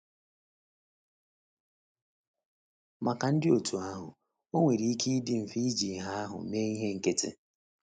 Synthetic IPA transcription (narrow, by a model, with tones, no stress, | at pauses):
ma˨ka˨n̩˦dɪ˦o˨tʰu˨a˦ɦʊ̰˨ | o˦ŋʷe˨ɾi˨˦i˦ki˦i˦dɪ˦m̩˨fi˦d͡ʒi˨ɦa˦ɦʊ̰˨meː˦i˦ɦe˦ŋ̩˨ke˦tḛ˦